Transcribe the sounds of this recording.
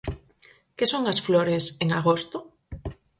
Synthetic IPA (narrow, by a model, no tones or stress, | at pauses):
kɪsoŋɐsfloɾeseŋaɣost̪ʊ